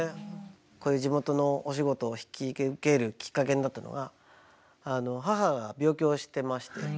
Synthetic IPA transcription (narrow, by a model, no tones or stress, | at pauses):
e | ko̞ːjɯ̟ːd͡ʑimo̞t̪o̞no̞oɕ̬iɡo̞t̪o̞ːçi̥kʲike̞ɾɯ̟kʲi̥kːak̬e̞ɲid̪at̪ːano̞̰ɡaː | no̞ɦaɦaɡabʲo̞ːkʲo̞ːɕi̥t̪e̞maɕi̥t̪e̞